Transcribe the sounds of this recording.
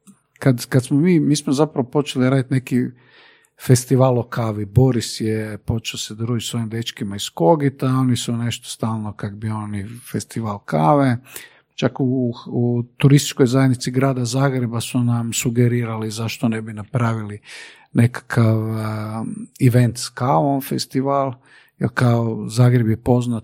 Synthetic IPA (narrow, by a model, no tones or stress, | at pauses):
kad̪kad̪smomiːmiːsmozapɾaʋopo̞t͡ʃeliɾaːd̪it̪neki | fe̞st̪iʋaːlˠokaːʋibo̞ɾisjepo̞t͡ʃeosed̪ɾuːʒisʋo̞imd̪e̞t͡ʃkimaisko̞ɡit̪ao̞nisune̞ʃt̪o̥st̪aːlˠno̞kakobio̞nifest̪iʋaːlˠkaːʋe | t͡ʃakuut̪uɾist̪i̥t͡ʃkojzajed̪nit̪siɡɾaːd̪azaːɡɾe̞basunamsuɡeɾiːɾalizaʃt̪onebinapɾaːʋili | ne̞kḁkʰaʋ | iʋe̞nt̪skaʋomfest̪iʋaːlˠ | jḛlkaozaːɡɾebjepo̞znat̪